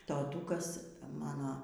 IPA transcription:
toːˈtuːkɐs ˈmɑːnoː

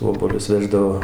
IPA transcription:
ˈoːbuɔlʲʊs ˈʋʲæːʒdɐʋoː

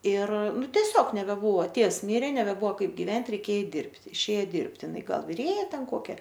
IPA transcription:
ɪr ˈnʊ tʲɛˈsʲoːk nʲɛbʲɛˈbʊʋoː ˈtʲeːws ˈmʲiːrʲeː nʲɛbʲɛˈbʊʋoː ˈkɐɪp ɡʲɪʋʲɛnʲtʲ rʲɛɪˈkʲeːjɛ ˈɛɪt ˈdʲɪrʲpʲtʲɪ ɪʃʲˈeːjɛ ˈdʲɪrʲpʲtʲɪ ɪˈnɐɪ ˈɡɐlˠ ʋʲɪˈrʲeːjɛ ˈtʲɛn ˈkoːkʲɛ

